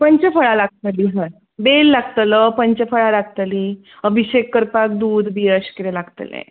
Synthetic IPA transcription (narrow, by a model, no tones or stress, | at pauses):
pəɲt͡ɕefəɭalaɡ̚t̪əliɦə | belːaɡt̪ələpəɲt͡ɕefəɭalaɡ̚t̪li | əbʱiɕekːəɾpak̚d̪uːd̪ʱbijəɕkiɾelaɡt̪lḛ̃